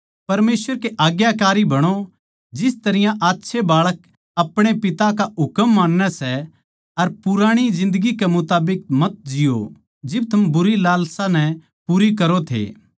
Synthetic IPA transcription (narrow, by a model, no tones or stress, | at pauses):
pɐɾmeːswəɾkeʔaːɡjakaːɾibɐɽ̃o | d͡ʒɪst̪ɐɾɪjãʔaːtːʃʰebaːɭək̚ | ɐpɽ̃epɪt̪akaɦʊkəmːaːnːɛsɛ | ɐɾpʊɾaːɽ̃id͡ʒɪ̃nd̪əɡikemʊt̪aːbɪk̚mɐt̪̚d͡ʒɪjo̰ | d͡ʒɪb̚t̪ʰɐmbʊɾilaːlsãnɛ̃ | puːɾikɐɾot̪ʰḛː